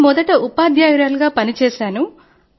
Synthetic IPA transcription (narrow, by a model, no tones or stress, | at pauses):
mɔd̪ɐʈɐʔupaːd̪ʱjaːɡɾaːluɡaːpɐnit͡ʃɛːʃaːnu